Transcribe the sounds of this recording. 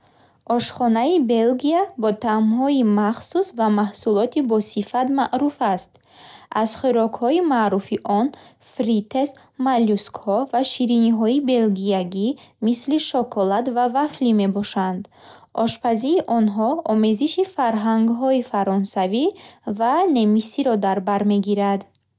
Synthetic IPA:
ʔɔʃχɔnaibe̞lɡiabɔt̪ʰamɦɔimaχsusvamahsulɔt̪ʰibɔsifat̪maʔɾufast̪ | azχiɾɔkhɔimaʔɾufiʔɔn | fɾit̪ʰes | maljuskhɔvaʃiɾiniɦɔibe̞lɡiaɡimisliʃɔkʰɔlat̪vavaflime̞bɔʃand̪ʔɔʃpʰaziɾiʔɔnɦɔɔme̞ziʃifaɾɦaŋɡɦɔifaɾɔnsavivane̞misiɾɔd̪aɾbaɾme̞ɡiɾad̪

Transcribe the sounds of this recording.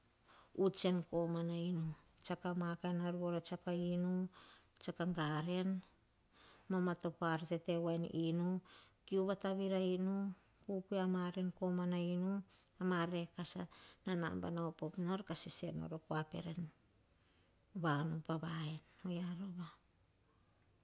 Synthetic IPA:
ut͡ʃe̞nko̞manainut͡ʃakamakaenaɾuoɾat͡ʃakainut͡ʃakaŋɡaɾe̞n | mamato̞paɾte̞te̞waeninukiuβataβiɾainu | kupuamaɾe̞nko̞manainuamaɾe̞kasanana̰mba̰naopopnoɾkasise̞no̰ɾo̞koape̞̰ɾe̞n | βanupaβaeno̞jaɾoβa

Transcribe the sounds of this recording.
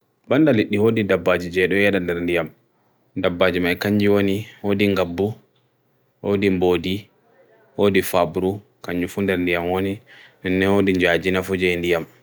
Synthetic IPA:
ɓandaliɗːihodidabːad͡ʒid͡ʒɛɗɔjɛɗandɛɾndijam | dabːad͡ʒimajkaɲd͡ʒiwoniwodiŋɡabːu | wodimboːdi | wodifabɾu | kaɲd͡ʒufundɛɾndijamwoninɛnːɛhodiɲd͡ʒad͡ʒinafɔd͡ʒɛndijam

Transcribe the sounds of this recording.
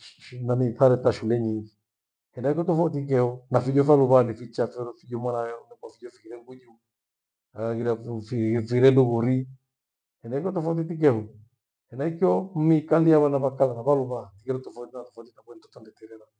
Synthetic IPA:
ʃʃnaniθaɾɛtaʃulɛɲiŋɡi | hɛndaikiɔtɔfat̬ik̬ɛhɔnafiʄɔfaluβanifit͡ʃafɛɾɔfiʄɔmwaɾajɛɔnɛkwafid͡ʒɔfikiɾɛŋɡuɲu | aɣiɾafifiɾɛnduɣuɾi | hɛndaikɔtɔfaut̬itik̬ɛhɔ | hɛndaikiɔm̩mikaliaβanaβakalanaβaluβaatikɛɾɔtɔfatinatɔfatitakwɛnitɔ̥tɔndɛtɛɾɛɾa

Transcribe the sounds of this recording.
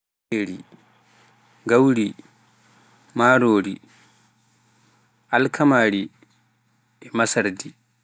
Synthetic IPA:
eɾi | ɡawɾi | maːɾoːɾi | ʔalkʰamaːɾi | ɛmasaɾdi

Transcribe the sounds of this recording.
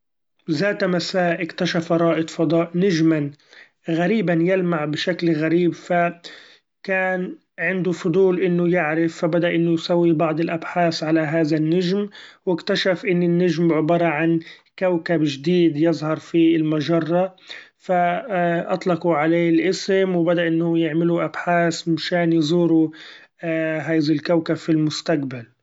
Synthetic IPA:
zaːt̪amasaːʔʔɪkt̪aʃafaɾˤɑːʔɪt̪fɑd̪ˤɑːʔnaʒman | ɣaɾiːbanjalmaʕbɪʃaklɣaɾiːbfa | kaːn | ʕɪnd̪ʊfʊd̪ˤuːlʔɪnːʊjɪʕɾɪfːabad̪aʔɪnːʊjsawːibɑʕd̪ˤɪlʔabħaːθʕalaɦaːðanːaʒmwɪkt̪aʃafʔɪnːɪnːaʒmʕʊbɑɾˤɑʕan | kawkabʒɪd̪iːd̪jɪzˤhɑɾˤfiɪlmaʒɑrˤːɑfaʔɑ̰t̪ˤlɑquʕaleːɪlʔɪsɪmwbad̪aʔɪnːʊjɪʕmɪluʔabħaːsmɪʃaːnjzˤuːɾu | ɦaːjðalkawkabfilmʊst̪aqbal

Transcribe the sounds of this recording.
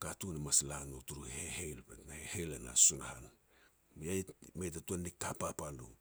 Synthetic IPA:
katunemaslanotuɾuhehejlpetnahehejlena̰sunahan | miajmejtatuanikːapapalṵ

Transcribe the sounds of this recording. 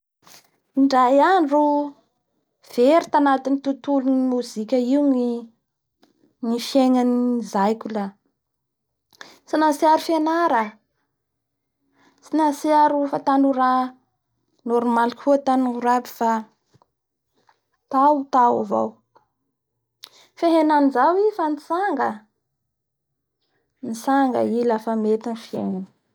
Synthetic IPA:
iɳɖ͡ʐajanɖ͡ʐu | v̥eɾit̪anat̪init̪ut̪ulunimuzikʲəiwŋi | nifeŋanizajkʲula | sinasiaɾufenaɾa | sinasiaɾufat̪anuɾa | noɾmalihut̪anuuɾabi̥fa | t̪awt̪awa̰va̰w | feɦenanizawifanit͡saŋɡə | nisaŋɡə̰ilafamet̪anfieŋani̥

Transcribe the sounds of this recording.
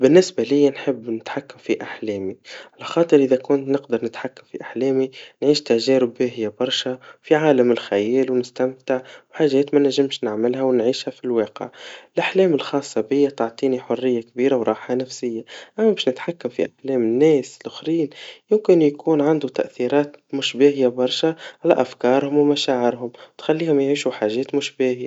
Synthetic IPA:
bɪnːɪsbalɪjːanħɪbːnɪt̪ħakːamfiʔaħleːmiʕalaxɑːt̪ˤɨɾʔɪðakʊnt̪nɪqd̪ɑɾˤnɪt̪ħakːamfiʔaħleːminʕiːʃt̪aʒɛːɾɪbːɪɦɪjːabɑɾˤʃafiʕaːlamɪlxajɛːlwnɪst̪amt̪ɪʕwħaːʒːeːt̪manæʒɪmʃnɪʕmɪlɦawnʕiːʃhafilweːqɪ̰ʕɪlʔaħlɛːmɪlxɑːsˤːɑbɪjːat̪ʊʕt̪ˤiːniħʊrːɪjːakbiːɾawɾˤɑːħhanafsɪjːaʔæmːæbɪːʃnɪt̪ħakːamfḭʔaħlɛːmɪnːɛːsɪlʔʊxɾiːnjʊmkɪnjakuːnʕand̪ut̪a̰ʔθiɾɑːt̪mʊʃbeːɦɪjabɑɾˤʃaʕalæ̰ʔafkɑːɾˤhʊmwmaʃaːʕɪɾɦʊmwt̪xalːiːhʊmjʕiːʃuħaːʒɛːt̪mʊʃbeːhɪjːa

